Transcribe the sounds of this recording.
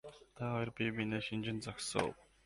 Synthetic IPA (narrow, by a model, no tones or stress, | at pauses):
t̪ʰaɦɔjɞ̆rpʲimineːʃind͡ʑɪ̆nt͡saksə̰w